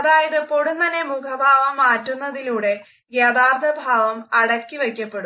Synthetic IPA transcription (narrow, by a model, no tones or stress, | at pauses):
ɐðaːjɐðɨpoɽunt̪ɐnːe̞mukʰɐbʱaːʋɐmːaːtːunːɐðiluːɽe̞ | jɐd̪aːrd̪ʱɐbʱaːʋɐmɐɽɐkʲːiʋe̞kʲːɐpːe̞ɽu